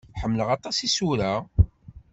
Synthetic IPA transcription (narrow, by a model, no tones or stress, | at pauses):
ħəmːləʁɑt̪ˤɑsisuɾa